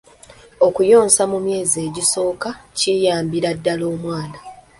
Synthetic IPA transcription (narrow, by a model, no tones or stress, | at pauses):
o̞kujo̞ːnsamumje̞ːzie̞ːɟiso̞ːkacijaːmbiɾadːalo̞ːmwaːna